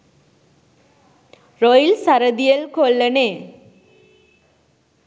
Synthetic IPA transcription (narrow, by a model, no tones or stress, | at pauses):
ɾojlsaɾəd̪ijelkolːəne